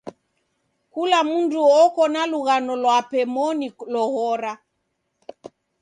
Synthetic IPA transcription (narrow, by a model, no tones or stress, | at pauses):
kulamunduɔkɔnaluɣanɔlwapɛmɔnilɔhɔɾa